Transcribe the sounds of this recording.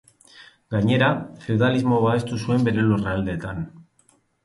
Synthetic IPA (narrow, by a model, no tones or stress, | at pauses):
ɡaɲe̞ɾafe̞wðalizmo̞βae̞st̪usue̞mbe̞ɾe̞lureald̪e̞ːt̪an